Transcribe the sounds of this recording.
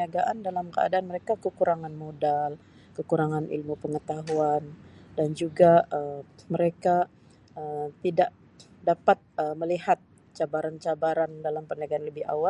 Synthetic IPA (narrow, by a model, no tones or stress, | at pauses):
iaɡaʔandalamkəa̰daanməɾekakəkuɾaŋanmodal | kəkuɾaŋanʔḭlmupəŋət̪aɦuandand͡ʒuɡaəməɾeka | əmt̪idaʔ | dapat̪̚əməlihat̪̚ | t͡ʃabaɾant͡ʃabaɾandalampəniaɡaanləbɪha̰wa